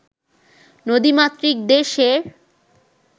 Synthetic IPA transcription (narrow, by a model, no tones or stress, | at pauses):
nod̪imat̪ːɾik̚d̪eʃeɾ